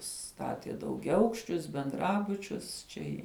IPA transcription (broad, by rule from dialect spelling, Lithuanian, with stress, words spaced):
ˈstɑːtʲiɛ dɐʊɡʲɛˈɐʊkʃʲt͡ʃʲʊs bʲɛnˈdrɑːbʊt͡ʃʲʊs ˈt͡ʃʲɛ ɪ